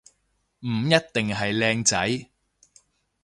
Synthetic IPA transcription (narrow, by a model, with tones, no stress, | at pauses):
m̩˨˩jɐ˥t̚t̪ɪ˨ŋɦɐ˨jlɛː˧ŋt͡sɐ˨˥j